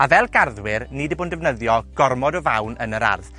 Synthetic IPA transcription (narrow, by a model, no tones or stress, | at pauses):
avɛlˠɡ̥arðwɪrnidəboːndɛvnəðjɔɡ̥ɔrmɔdɔvawnənəɾa̰rð